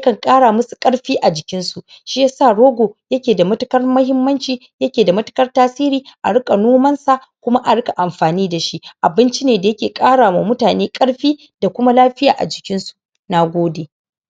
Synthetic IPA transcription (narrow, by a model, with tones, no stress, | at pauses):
jɐ˦kɐ˨ŋkʼaː˦ɽaː˨mʊ˦su˨kʼɐ˦ɽɸiː˦ʔa˨d͡ʒɪ˨kʲɪ˦nsu˨ʔ | ʃi˦ja˦saː˦˨ɽoː˦ɡʷoː˨jɐ˦kʲeː˨da˨mɐ˦tʊ˦kɐ˦rmɐ˦hɪ˦mːɐ˦nt͡ʃiː˨ | jɐ˦kʲeː˨da˨mɐ˦tʊ̥˦kɐ˦rtaː˦siː˦ɾiː˦ʔa̰˨ɽʊ˦kʼa˨noː˦mɐ˦nsa˨ | kʷʊ˦ma˦ʔa˨ɽʊ˦ka˨ʔa˨mɸaː˨niː˦da˨ʃi˦ʔa˨bɪ˦nt͡ʃi˦neː˨da˨jɐ˦kʲeː˨kʼaː˦ɽaː˨ma˨mʊ˦taː˨neː˦kʼɐ˦ɽɸiː˦ | da˨kʷʊ˦ma˦laː˦ɸɪ˦ja̰ː˨ʔa̰˨d͡ʒɪ˨kʲɪ˦nsu˨ | na˦ɡʷoː˦deː˨